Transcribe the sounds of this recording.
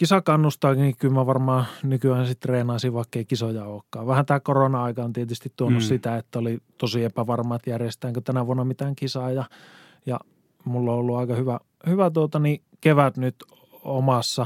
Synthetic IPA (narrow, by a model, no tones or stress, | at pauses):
kisɑkɑnːust̪ɑːkinikylmæʋɑrmɑːnykyæːnsit̪reːnɑˑisiʋʋɑˑikːeikisojɑoːkːɑːʋʋæhænt̪æːkoronɑɑikɑont̪iet̪yst̪it̪t̪uonːussit̪æet̪ːæolit̪osiepæʋɑrmɑːt̪jærjest̪æːŋkøt̪ænæʋuonːɑmit̪æːŋkisɑːjɑ | jɑ̰ | mulːoolːuɑikɑhyʋæ | hyʋæt̪uot̪ɑni | keʋæt̪nyt̪ | omɑsːɑ